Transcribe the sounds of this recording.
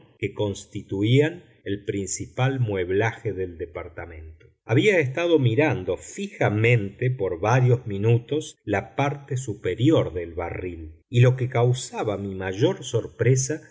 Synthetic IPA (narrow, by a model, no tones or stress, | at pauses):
keko̞nst̪it̪uian | elpɾinsipalmwe̞βlaxeðeld̪epaɾt̪amẽ̞nt̪o | aβiaest̪aðo̞miɾand̪o̞fixamẽ̞nt̪epo̞ɾβaɾjo̞zminut̪o̞slapaɾt̪esupeɾjo̞ɾðelβa̰rililo̞kekawsaβamimaʒo̞ɾso̞ɾpɾesa